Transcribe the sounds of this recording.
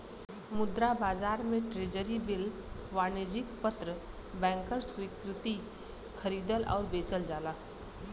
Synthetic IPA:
mʊd̪ɾabaːzaːɾmẽʈɾeːd͡ʒəɾibɪl | ʋaːneːd͡ʒɪkpət̪ɾə | bɛ̃ːŋkəɾswikɾɪt̪i | xʰəɾiːd̪əlʔɔ̰ːɾbeːt͡ʃəld͡ʒaːlaː

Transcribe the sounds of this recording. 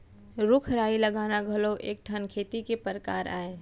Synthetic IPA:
ɾʊkʰɾaːiləɡaːnaɡʱəloʔeːk̚ʈʰənkʰeːt̪ikepəɾka̰ːɾa̰ːe

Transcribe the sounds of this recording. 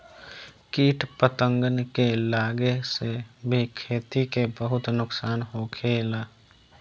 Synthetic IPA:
kiːʈpət̪ə̃ŋɡənkelaːɡesebʱikʰeːt̪ikebəɦʊt̪nʊksaːnɦokʰeːlaː

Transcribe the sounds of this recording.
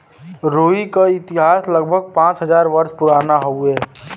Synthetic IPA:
ɾoːikaɪt̪ɪɦaːsləɡ̚bʱəɡ̚pãːt͡ʃɦəzaːɾʋəɾspʊɾaːnaɦoɦɛː

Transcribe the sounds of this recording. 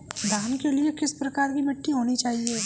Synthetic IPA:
d̪ʱaːnkeliekɪspɾɐkaːɾkimɪʈʰːiɦoːnit͡ʃaːɦie

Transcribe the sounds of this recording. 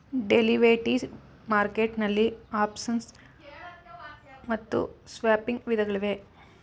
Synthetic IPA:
ɖeliʋeːʈiːs | maːɾkeːʈnɐlːiaːpsɐns | mɐt̪ːṵsʋjaːpiŋɡʋid̪ʱɐɡɐɭiʋe̞

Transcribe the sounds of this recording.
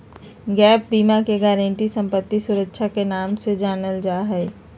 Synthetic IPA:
ɡɛːp̚biːmakeɡɛːɾə̃ɳʈisə̃mpət̪ːisʊɾəkʃʰakenaːmsed͡ʒaːnəld͡ʒaːɦɛː

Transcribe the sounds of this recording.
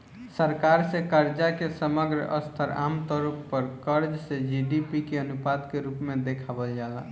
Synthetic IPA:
səɾkaɾsẽkəɾd͡ʒakesəməɡɾə̰ʔə̰st̪ʰəɾa̰mt̪ɔɾəppːəɾkəɾd͡ʒsed͡ʒiɖipikeənupad̪keɾupmed̪ekʰabəld͡ʒala̰

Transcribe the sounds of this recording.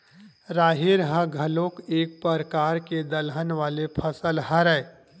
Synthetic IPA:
ɾaːɦiɾɦə̃ɡʱəlõkeːk̚pəɾəkaːɾked̪əlɦənʋaːlepʰəsəlɦəɾə

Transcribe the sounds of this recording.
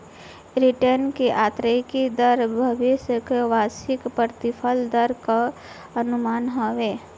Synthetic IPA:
ɾiʈəɾnkeʔaːt̪ɾəkid̪əɾbʱəʋisjəkeʋaːsɪkpəɾt̪ipʰəld̪əɾka | ənumaːnɦoʋe

